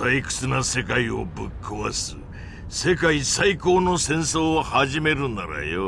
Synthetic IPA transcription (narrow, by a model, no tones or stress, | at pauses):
aikɯ̟̥t͡sɨnase̞kaio̞̰bɯkʰːɯβasɨ | se̞kaisaiko̞ːno̞sẽ̞ɰ̃so̞ːhaʑime̞ɾɯ̟̃naɾa̰jo